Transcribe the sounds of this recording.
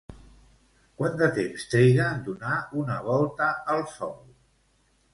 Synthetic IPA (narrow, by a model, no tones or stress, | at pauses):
kwand̪ət̪emst̪ɾejɣəd̪unaunəβɔlˠt̪əəlˠsɔw